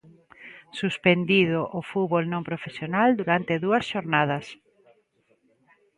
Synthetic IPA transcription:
suspend̪iðʊʔofuβolnõmpɾofesjonald̪uɾant̪eðuɐsʃoɾnað̞ɐs

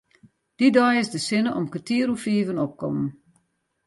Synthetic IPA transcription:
d̥idɔjɪsdəsɪnəʔɔmkətiəɾufiːvənɔp̚kɔ̰mən

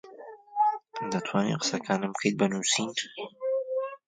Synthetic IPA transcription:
d̪ɐt̪ʰwaːnḭqə̥sɐkʰaːnɨmbkʰejt̪̚bɐnuːsin

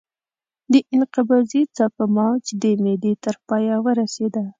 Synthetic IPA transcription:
d̪əʔɪnqɪbɑzit͡sɑkamɑt͡ʃd̪əmed̪et̪əɾpɑjawəɾased̪a

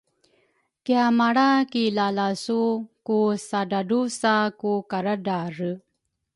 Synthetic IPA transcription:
kjamaɽakilalasukusaɖaɖusakukaɾaɖaɾə

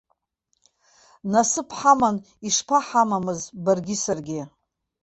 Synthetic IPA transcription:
nasɨpʰħaman | iʂpʰaħamamɨzbarɡʲɪsarɡʲɪ

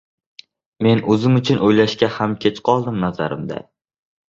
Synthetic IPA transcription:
me̞nɵzɪmʊt͡ʃʰʊnʔojlaʃkʲahamkʲʰe̞t͡ʃqʰɒlˠd̪ɪmnazaɾɪmd̪a̰

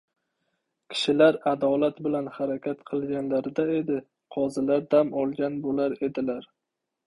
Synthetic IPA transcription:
kʲʰɪ̥ʃɪlaɾad̪ɒlat̪bɪlanhaɾakʲʰat̪qʰɨlˠɡʲanlaɾd̪ae̞d̪ɪ | qʰɒzɪlaɾd̪amɒlˠɡʲanbolaɾe̞d̪ɪlaɾ

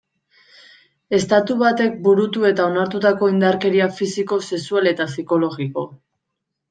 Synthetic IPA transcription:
e̞st̪at̪uβat̪e̞k̚buɾut̪ue̞t̪ao̞naɾt̪ut̪ako̞ind̪aɾke̞ɾiafisiko̞se̞suale̞t̪asiko̞lo̞ɣiko̞

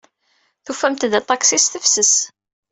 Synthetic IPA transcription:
θufæmt̪d̪æt̪ˤɑksisθəfsəs

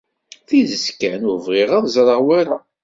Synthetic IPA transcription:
θiðəskænʊɾvʁeʁaðˤzɾˤəʁwaɾa

